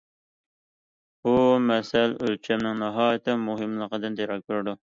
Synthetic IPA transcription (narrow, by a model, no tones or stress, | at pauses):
b̥umɛsɛlølt͡ʃʰɛmnɪŋnɑɦɑːjt̪ʰɪmuɦɨmlˠəqəd̪ɨnd̪eɾɑk̚ʲbøɾd̪u